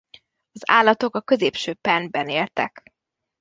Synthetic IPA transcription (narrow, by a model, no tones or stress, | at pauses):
ɒza̰ːlːɒt̪o̞kɒkø̞zeːpʃøːpɛnbɛneːlt̪ɛ̰k